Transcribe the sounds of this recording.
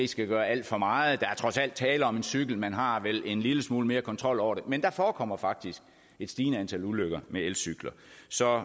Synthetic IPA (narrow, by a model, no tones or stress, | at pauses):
esɡ̥æɡ̥ɶːɐæl̰d̥fɒmɑ̈ːð̩ˠd̥ɑ̈æɐt͡sʰʁɒ̽sæl̰d̥̚t͡sʰɛːləɒ̽me̝nsyɡ̥l̩mænɦɑ̈ʋelʔe̝nliləsmuːləme̝ːɐkʰɒ̽nt͡sʰʁɒ̽l̰ɒʊ̰ɐɾe̝mend̥ɑ̈fɒːkʰɒ̽m̰ɐfɑ̈ɡ̥̚d̥isɡ̥ | e̝d̥sd̥iːnəænt͡sʰæluløɡ̥ɐmeelsyɡ̥lɐsɒ̽